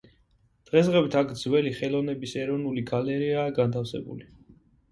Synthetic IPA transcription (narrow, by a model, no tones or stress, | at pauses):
d̪̥ʁɛsʁɛwit̪ʰakʰd̪zwɛliχɛlˠɔnɛbisɛɾɔnuliɡalɛɾiaːɡant̪ʰafsɛ̰bṵli